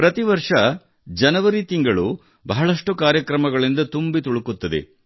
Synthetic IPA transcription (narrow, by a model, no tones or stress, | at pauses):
pɾɐt̪iʋɐɾʂɐ | d͡ʒɐnɐʋɐɾit̪iŋɡɐɭu | bɐɦɐɭɐʂʈukaːɾjɐkɾɐmɐɡɐɭind̪ɐt̪umbit̪uɭukut̪ːɐd̪ḛ